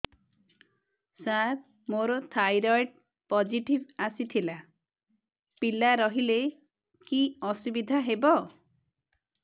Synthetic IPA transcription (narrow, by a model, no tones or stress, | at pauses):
saɾ | moɾɔt̪ʰajɾɔjʈ̚ | pɔd͡ʒiʈibasit̪ʰila | pilaɾɔɦile | kiɔsubid̪ʱaɦebɔ